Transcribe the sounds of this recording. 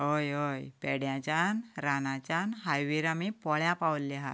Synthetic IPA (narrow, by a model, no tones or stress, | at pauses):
ɦojɦojpɛɽjãt͡ɕanɾanãt͡ɕanɦajʋiɾamipɔɭjãpawlːiɦa̰t̪